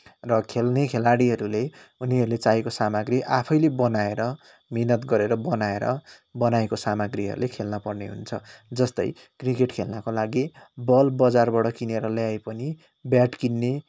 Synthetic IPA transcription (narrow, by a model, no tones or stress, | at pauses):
rʌkʰelnekʰelaɽiɦʌɾuleuniɦʌɾulet͡saekosamaɡɾiʔapʰʌjlebʌnaeɾʌ | minʌt̪ɡʌɾeɾʌbʌnaeɾʌ̰ | bʌnaekosamaɡriɦʌ̰ɾṵlekʰelnʌpʌrneɦṵnt͡sʰʌ̰d͡zʌst̪ʌ̰j | krikeʈkʰelnʌkolaɡibʌlbʌd͡zarbaɽʌkineɾʌljajpʌni | bjaʈkinːe